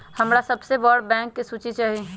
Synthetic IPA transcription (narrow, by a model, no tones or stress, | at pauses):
hɐmɾasɐbsebɔːɽbɛ̃ːŋkːisuːt͡ʃit͡ʃaːɦie